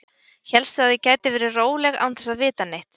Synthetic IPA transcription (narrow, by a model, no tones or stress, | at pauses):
çɛlst̪ʏaðɪcaːjt̪ɪvɛːɾɪroːwlɛɣa̰ːwnθɛsːavɪːt̪anejht̪